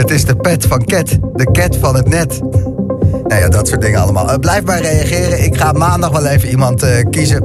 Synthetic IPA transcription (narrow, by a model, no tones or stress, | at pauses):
ətɪzdəpɛtfɑnkɛtdəkɛtfɑnətnɛt | jaja̰dɑtsʊːt̚dɪŋəɑ̰lˠəma̰ːlˠəblɛjfmaːɹrejɑχɪːrəɪkχaːmaːndɑχʋɛlˠejvənimɑntəkizə